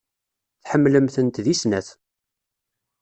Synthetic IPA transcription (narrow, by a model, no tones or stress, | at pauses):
θħəmːləmθənt̪ðisnæθ